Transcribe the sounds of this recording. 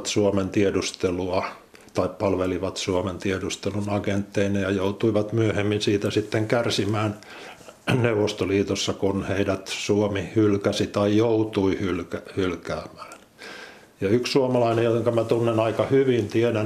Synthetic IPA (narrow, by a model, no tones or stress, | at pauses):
t̪suoment̪iedust̪eluɑ | t̪ɑippɑlʋeliʋɑt̪suoment̪iedust̪elunɑkent̪ːeinejɑjout̪uiʋɑt̪myøhemːinsiːt̪æsit̪ːeŋkærsimæːn | neuʋost̪oliːt̪osːɑkunheidæt̪suomihylkæsit̪ɑijout̪uihylkæhylkæːmæ̥ːn | jɑykssuomɑlɑinejjoeŋkɑmæt̪unːenɑikɑhyʋint̪iedæ